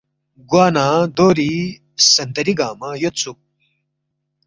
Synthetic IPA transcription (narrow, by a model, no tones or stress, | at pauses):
ɡwaːnaːd̪oːɾi | sɐnd̪ɐɾiɡaːmɐjot̪t͡sʰu